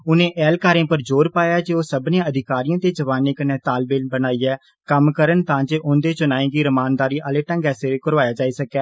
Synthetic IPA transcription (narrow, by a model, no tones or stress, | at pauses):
ʊnẽːʔɛːlkaːɾẽːpəɾd͡ʒoːɾpaːjaːd͡ʒeːoːsəbnẽãːəd̪ʱɪkaːɾijãːt̪eːd͡ʒəʋaːneːkəneːt̪aːlbeːlbənaːiːɛː | kəmkəɾənt̪ãːd͡ʒeːʔʊ̃nd̪eːt͡ʃʊnaːĩːɡiːɾəmaːnd̪aːɾiːʔəleːʈə̃ːɡɛːseːkəɾʋaːjaːd͡ʒaːiːsəkːɛː